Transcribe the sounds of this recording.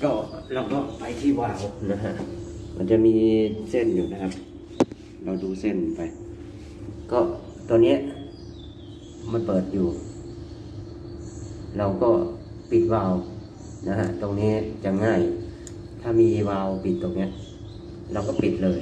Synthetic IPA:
kɔː˧˩ɾa˧wkɔː˧˩pa˧jt̪ʰiː˧˥˩waː˧wna˧˥ɦa˧ʔma̰˧nt͡ɕa˨miː˧se˥˩njuː˨˩na˧kʰa˧p̚ | la˧˩wduː˧se˧˩npa˧j | kɔː˧˩ | t̪o˧˨ŋni˦˥ə˨ʔ | ma˧npɤː˨˩t̪̚juː˨˩ | ɾa˧wkɔː˧˥˩ | pi˨˩t̪̚waː˧w | na˧hʰa̰˧˥ʔt̪o˧ŋniː˦˥˩t͡ɕa˨˩ŋaː˧˩j | t̪ʰaː˧˩miː˧waː˧wpi˨˩t̪̚ːo˨˧˩ŋni˦˥ɐ˨ʔ | ɾa˧wkɔː˧˥˩pi˨˩t̪̚lɤː˧j

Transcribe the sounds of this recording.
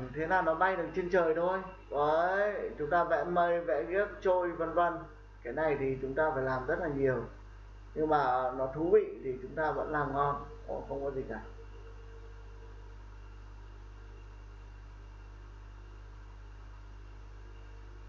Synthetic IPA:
t̪ʰe˨˦naː˨˩nɔ˨˦ɓa˧jɗɨ˨˩k̚t͡ɕe˧nt͡ɕəː˨˩jt̪ʰo˧ʔə˨˦t͡ɕʊ˨˦ŋ͡mt̪aː˧vɛ̰˧˥mə˧jvɛ̰˧˥ɣi˦˥ək̚t͡ɕo˧jvə˧nvə˧n | kaː˨˦jna˨˩jt̪ʰi˨˩t͡ɕʊ˨˦ŋ͡mt̪aː˧faː˧˩jlaː˨˩mzə˦˥t̚laː˨˩ɲi˨˩əw | ɲɨ˧ŋmaː˨˩nɔ˨˦t̪ʰu˨˦vḭ˧˨t̪ʰi˨˩t͡ɕʊ˨˦ŋ͡mt̪aː˧və̰˧˥nlaː˨˩mŋɔ˧nkɔ˨˦xə˧wŋ͡mkɔ˨˦zi˨˩na˨˩j

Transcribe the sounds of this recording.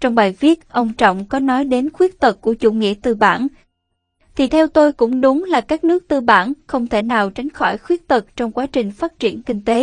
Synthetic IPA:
t͡ɕɔ˧wŋ͡mɓaː˨˩jvi˦˥ət̚ʔə˧wŋ͡mt͡ɕɔ̰˧˨wŋ͡mkɔ˨˦nɔ˨˦jɗe˨˦nxwi˦˥ək̚t̪ə˨˩k̚kːu˧˩ət͡ɕṵ˧˩ŋḭ˧˨ət̪ɨ˨˩ɓa̰ː˧˩n | t̪ʰi˨˩t̪ʰɛ˧wt̪o˧jkʊ̰˧˥ŋ͡mɗʊ˨˦ŋ͡mlaː˨˩kaː˦˥k̚nɨ˦˥ək̚t̪ɨ˧˩ɓaː˧˩nxə˧wŋ͡mt̪ʰe˧˩naː˨˩wt͡ɕa˨˦jŋ̟xɔ˧˩jxwi˦˥ət̚t̪ə˨˩k̚t͡ɕɔ˧wŋ͡mkwaː˨˦t͡ɕï˨˩ŋ̟faː˦˥t̚t͡ɕi˧˩ənkï˧ŋ̟t̪e˨˦

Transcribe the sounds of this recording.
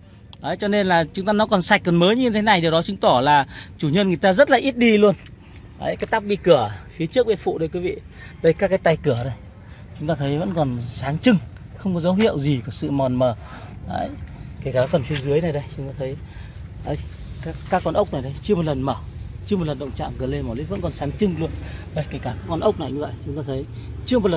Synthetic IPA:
ʔə˨˦jt͡ɕɔ˧ne˧nlaː˨˩t͡ɕʊ˨˦ŋ͡mt̪aː˧nɔ˨˦kɔ˨˩nsa˨˩jk̚kɔ˨˩nməː˨˦jɲɲɨ˧t̪ʰe˨˦na˨˩jɗi˨˩əwɗɔ˨˦t͡ɕɨ˨˦ŋ͡mt̪ɔ˧˩laː˨˩t͡ɕu˧˩ɲə˧nŋɨ˨˩əjt̪aː˧zə˦˥t̚laː˨˩ʔi˦˥t̚ɗi˧lu˧ən | ʔə̰˨˦jkaː˨˦jt̪a˦˥k͡p̚ɓi˧kɨ˧˩əfi˨˦t͡ɕɨ˦˥ək̚ɓə˧˩fṵ˧˨ʔɗɨ˨˦jkwi˨˦vḭ˧˨ | ɗə˧jkaː˦˥kːaː˨˦jt̪a˧jkɨ˧˩əɗə˨˧˩j | t͡ɕʊ˨˦ŋ͡mt̪aː˧t̪ʰə˨˦jvə̰˧˥nkɔ˨˩nzaː˨˦ŋt͡ɕɨ˧ŋ | xə˧wŋ͡mk̬ɔ˨˦zə˨˦wɦḭ˧˨əwzi˨˩kɔ˧˨˩sɨ̰˧˨mɔ˨˩nməː˨˩a̰ː˧˨jkaː˨˦kaː˨˦fə˨˩nfʰi˨˧əzɨ˨˦əjna˨˩jɗə˧jt͡ɕʊ˨˦ŋ͡mt̪aː˧t̪ʰə˨˦j | ʔə˧˩j | kaː˦˥kːaː˦˥kːɔ˧˩nʔə˦˥k͡p̚na˨˩jɗə˧˩jt͡ɕɨ˧əm˨˩t̚lə˨˩nməː˧˩t͡ɕɨ˧əm˨˩t̚lə˨˩nɗə̰˧˨wŋ͡mt͡ɕa̰ː˧˨ŋkɨ˨˩le˧nmɔː˧˩lḭ˧˦˥və̰˧˥nkɔ˨˩nsaː˨˦ŋt͡ɕɨ˧ŋlu˧ənɗə˧˩jka˧˩ŋkaː˧˩ka˨˦kɔ˧˩nʔə˦˥wk͡p̚na˨˩jɲɨ˧və̰˧˨jt͡ɕʊ˨˦ŋ͡mt̪aː˧t̪ʰə˨˦j | t͡ɕɨ˧əm˨˩t̚lə˨˩

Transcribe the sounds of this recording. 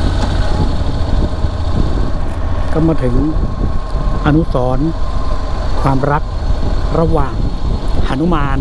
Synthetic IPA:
ka˧maː˧˩t̪ʰɯ˩˦ŋ | ʔa˧nu˦˥sɔː˩˦n | kʰwaː˧mɾa˦˥k̚ɾa˧waː˨˩ŋʔa˧˩nu˦˥maː˧n

